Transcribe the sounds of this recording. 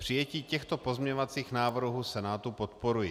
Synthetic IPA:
pr̝̥ɪjɛciːcɛxt̪opo̞zmɲɛɲovat͡siːxnaːvr̩ɦuːsɛnaːt̪upot̪̚poɾujɪ

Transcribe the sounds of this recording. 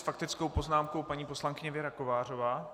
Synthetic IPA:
fakt̪ɪt͡skowpo̞znaːmkowpaɲiːpo̞slaŋkɪɲɛvjɛɾako̞vaːr̝o̞vaː

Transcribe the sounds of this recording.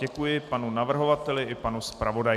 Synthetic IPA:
ɛkujɪpanunavr̩ɦo̞vat̪ɛlɪʔɪpanuspɾavo̞daj

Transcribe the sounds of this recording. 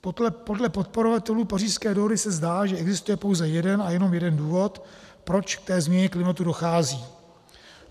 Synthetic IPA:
popo̞dlɛpo̞t̪̚po̞ɾo̞vat̪ɛluːpariːʃskɛːdoɦodɪsɛzdaːʒɛʔɛɡzɪst̪ujɛpowzɛjɛdɛnajɛno̞mjɛdɛnduːvo̞t̪pɾo̞t͡ʃkt̪ɛːzmɲɛɲɛklɪmat̪udo̞xaːziː

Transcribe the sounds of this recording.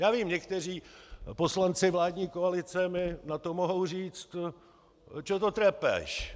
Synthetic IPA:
jaːviːmɲɛkt̪ɛr̝iːpo̞slant͡sɪvlaːdɲiːkoalɪt͡sɛmɪnat̪o̞moɦo̞wr̝iːt͡st̪ | t͡ʃot̪ot̪ɾɛpɛ̰ʃ

